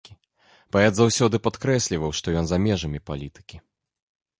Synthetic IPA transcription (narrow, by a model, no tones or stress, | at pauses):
i | b̥aɛd̪zawsʲɔd̪ɨpat̪kɾɛsʲlʲivɐwʂt̪ɔjɔnzamʲɛʐɐmʲipalʲit̪ɨ̥kʲi